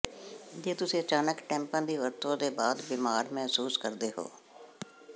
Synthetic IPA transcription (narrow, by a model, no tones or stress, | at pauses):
d͡ʒeːt̪ʊseət͡ʃaːnəkʈɛ̃ːmpãːd̪iːʋəɾt̪õd̪eːbaːd̪bɪmaːɾmɛɦsuːskəɾd̪eɦo̰ː